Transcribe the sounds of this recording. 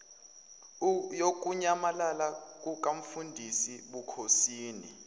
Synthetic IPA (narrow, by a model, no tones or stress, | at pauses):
jok̬ʼuɲamalalak̬ʼuk̬ʼaɱ̩fundʱisiɓukʰosiːnḭ